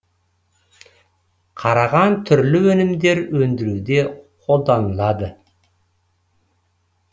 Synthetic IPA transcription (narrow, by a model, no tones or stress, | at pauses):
qʰɑɾɑʁɑnt̪ʰʏɾlɪwɵnɪmd̪e̞ɾwɵnd̪ɪɾud̪e̞qʰo̞lˠd̪ɑnəlˠɑd̪ə